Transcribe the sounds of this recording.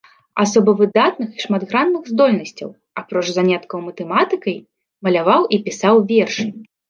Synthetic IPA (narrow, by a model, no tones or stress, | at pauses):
asɔbɐvɨd̪at̪nɨxiʂmad̪ɣɾanːɨɣzd̪ɔlʲnɐsʲt͡sʲɐ̰w | apɾɔt͡ʂzanʲɛt̪kɐwmɐt̪ɛmat̪ɨkɐj | mɐlʲavawʔipʲisawvʲɛrʂɨ